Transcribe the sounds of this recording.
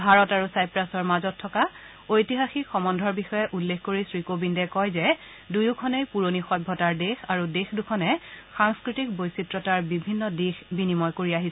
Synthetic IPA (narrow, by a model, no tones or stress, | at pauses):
bʱaɹɔtaɹusajpɹasɔɹmazɔtʰːɔka | ojtiɦaxixɔmɔndʱɔɹbixɔjɛʔulːexkoɹisɹikobindɛkɔjzɛ | dujukʰɔnejpuɹonixɔjbʱɔtaɹdexaɹudexdukʰɔnɛxaŋskɹitik̚bojsitɹɔtaɹbibʱinːɔdixbinimɔjkoɹiaɦisɛ